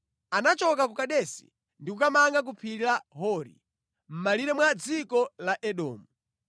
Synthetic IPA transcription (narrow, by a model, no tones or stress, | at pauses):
anat͡ʃɔkakukaɗɛsḭ | ndikukamaŋɡak̬upʰilaɦɔɾḭ | m̩maliɾɛmwad͡zikɔlaʔɛɗɔːmu